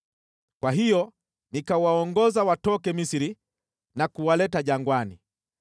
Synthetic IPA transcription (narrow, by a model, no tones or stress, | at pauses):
kwaɦijɔ | nikawaɔŋɡɔzawatɔkɛmisiɾi | nakuwalɛtaʄaŋɡwani